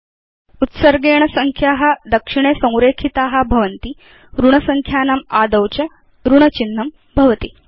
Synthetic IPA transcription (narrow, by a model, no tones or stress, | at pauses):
ut̪sɐɾɡeːɳɐsɐŋkʰjaːɦɐ̆d̪ɐkʂiɳ̃eːsɐ̃w̃ɾeːkʰit̪aːɦɐ̆bʱɐʋɐnt̪i | ɾuɳɐsɐŋkʰjaːnɐmaːd̪ɐwt͡ʃɐ | ɾuɳɐt͡ʃinːɐm | bʱɐʋɐt̪i